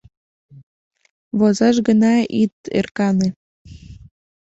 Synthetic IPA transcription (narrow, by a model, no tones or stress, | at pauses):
βozɑʃ̬ɣənɑit̪ḛrkɑne